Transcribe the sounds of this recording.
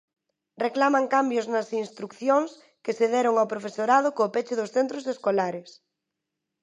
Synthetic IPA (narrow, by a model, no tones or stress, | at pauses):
reklamaŋkambjʊznɐsinst̪ɾukθjoŋs | kɪseðɛɾʊŋawpɾofesoɾað̞ʊkoːpet͡ʃɪðʊsθent̪ɾʊseskolaɾɪs